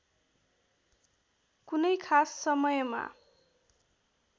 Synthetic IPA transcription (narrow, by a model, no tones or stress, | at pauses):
kunʌjkʰasːʌmʌjʌma̰